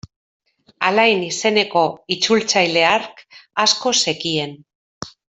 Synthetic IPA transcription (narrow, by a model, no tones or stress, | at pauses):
alajnise̞ne̞ko̞it͡sult͡sajle̞aɾkasko̞se̞kie̞n